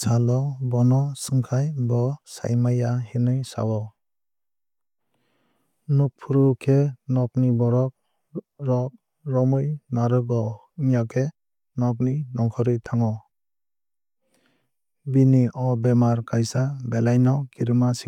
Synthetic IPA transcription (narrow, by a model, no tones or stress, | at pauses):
salɔbɔnɔsɯŋkʰajbɔsa̰jmajahinɯjsa̰wɔ | nupʰːuɾɯkʰenɔk̚nibɔɾɔk̚ | ɾɔk̚ | ɾɔmɯjnaɾɯɡɔ | ŋjakʰe | nɔk̚ninɔŋkʰɔɾɯjtʰaŋɔ | biniʔɔbɛmaɾkajsabelajnɔkiɾɯmasi